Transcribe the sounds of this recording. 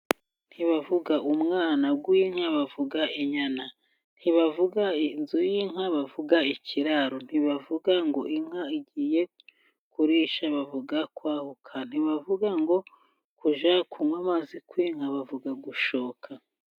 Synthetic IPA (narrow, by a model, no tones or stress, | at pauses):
n̥hiβavuɡaʔumŋaːnaɡwiŋ̥haβavuɡaiɲana | n̥hiβavuɡainzujiŋaβavuɡaicʰiɾaɾon̥hiβavuɡaŋɡo̞ʔiŋ̥aiɟiːje̞ | kuɾiːʃaβavuɡakwaːhukʰan̥iβavuɡaŋɡo̞ | kuʒakʰumwamazikwiŋ̥haβavuɡaɡuʃoːkʰa